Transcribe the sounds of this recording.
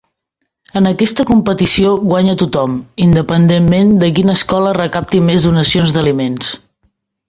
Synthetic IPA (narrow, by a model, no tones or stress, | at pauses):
ənəkɛst̪əkumpət̪isioɣwaɲət̪ut̪ɔmind̪əpənd̪emːend̪ək̬inəːskɔlərəkap̚t̪imezðunəsionzd̪əlimens